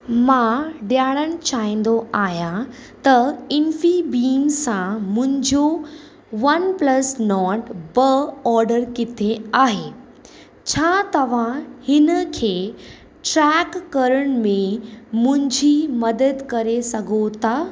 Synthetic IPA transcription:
mãːɖjaːɽəñɪ̆t͡ɕaːĩːn̆d̪oaːɦjã | t̪ɐɪnfibiːmsãmʊ̃ɦɪ̃ɲd͡ʑo | ʋɐnplɐsnɔːʈbəɔːɾɖəɾkɪt̪ʰeaːɦeː | t͡ɕʰaːt̪ɐʋ̤ãhɪnəkʰeː | ʈɾɛkːɐɾəɽ̃mẽmʊ̃ɦɪ̃ɲd͡ʑʱimɐd̪əd̪kɐɾesɐɡʱot̪a

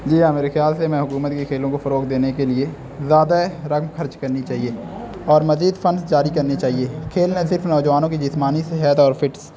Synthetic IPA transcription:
d͡ʒiːameːɾexjaːlsemɛ̃ɦʊkuːmət̪kikʰeːlõkofɐɾoːkd̪eːnekelie | zjaːd̪aɾəkmxɐɾt͡ʃkɐɾnit͡ʃaːɦieːɔːɾmɐziːd̪fʰənsd͡ʒaːɾikɐɾnit͡ʃaːɦieːkʰeːlnasɪɾfnɔːd͡ʒəʋaːnõkid͡ʒɪsmaːnisɪɦət̪ɔːɾfɪʈs

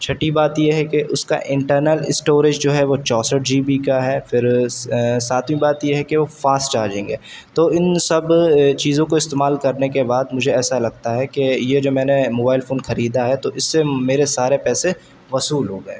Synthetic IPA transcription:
t͡ʃʰɐʈibaːt̪jeɦɛkeʔʊska̰ʔɪ̃ɳʈəɾnəlɪsʈoːɾɪd͡ʒd͡ʒoːɦɛʋot͡ʃɔːsəʈ̚d͡ʒiːpikaɦɛːfɪɾ | saːt̪ʰmĩbaːt̪jeɦɛkeʋofaːsʈt͡ʃaːɾd͡ʒɪ̃ŋɡɛːt̪oːɪnsɐbt͡ʃiːzõkoɪst̪eːmaːlkɐɾnekebaːd̪mʊd͡ʒʱeɛːsalɐɡ̚t̪aɦɛkejed͡ʒoːmɛ̃ːnemoːbaːɪlfoːnxɐɾiːd̪aɦɛt̪oʔɪsːemeːɾesaːɾepɛːse | ʋɐsuːlɦoːɡɐḛː

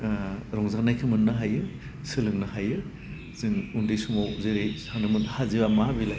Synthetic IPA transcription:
ɾɔŋzanajkʰɯmɯnːɯɦajɯ | sɯlɯŋnɯhajɯ | z̥ɯŋundijsumawzeɾejsanɯmɯnhaziβamabilaj

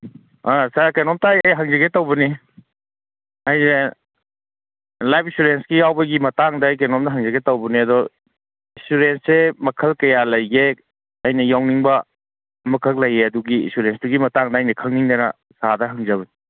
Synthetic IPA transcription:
asakenɔmtajajɦɐŋzɐɡetɐwbɐni | ɐjne | lajpʰisuɾensɡijawbɐɡimɐtaŋdɐjk̬enɔmdɐɦɐŋzɐɡetɐwbɐniɐdɔ | insuɾensemɐkʰɐlkɐjalɐjɡe | ɐjnɐjawniŋbɐ | mɐkʰɐk̚lɐjeɐduɡiḭnsuɾenstuɡimɐtaŋdɐːjnɐkʰɐŋniŋdɐnɐ̰ | sadɐɦɐŋzɐbɐni

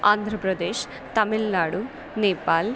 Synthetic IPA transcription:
aːnd̪ʱɾɐpɾɐd̪eːʃ | t̪ɐmilnaːɽu | nɛːpaːl

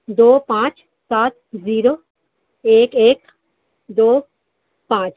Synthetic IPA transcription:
d̪oːpãːt͡ʃ | saːt̪̚ziːɾo | eːkeːk | d̪oː | pãːt͡ʃ

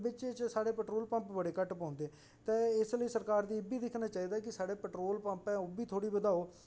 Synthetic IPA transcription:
bɪt͡ʃt͡ʃsaːɽeːpɛʈɾoːlpə̃mpbəɽeːkəʈpɔ̃ːnd̪eː | t̪ẽːɪsləiːsəɾkaːɾd̪iːɪbiːd̪ɪkʰnaːt͡ʃaːiːd̪aːkɪsaːɽeːpɛʈɾoːlpə̃mpɛ̃ːobiːt̪ʰoːɽiːbəd̪aːoː

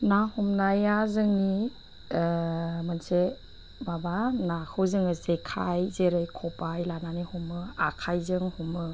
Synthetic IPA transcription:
nahumnajazɯŋni | mɯnse | mabanakʰɯwzɯŋɯzekʰajzeɾɯjkʰɔpajlananihumɯakʰajzɯŋhumɯ

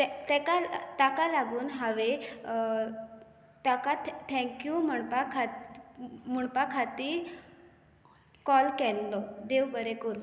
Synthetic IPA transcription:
t̪t̪ɛkalt̪akalaɡuːnɦaʋe | t̪akat̪t̪ʰɛ̃kjum̤əɳpakʰa | m̤əɳpakʰat̪iː | kɔlkɛlːɔd̪eʋbəɾekuɾu

